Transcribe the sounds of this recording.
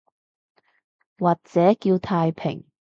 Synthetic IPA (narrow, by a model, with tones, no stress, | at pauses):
waː˨˩t̚t͡sɛː˨˥kiː˧wt̪ʰaː˧jpʰɪ̰˨˩ŋ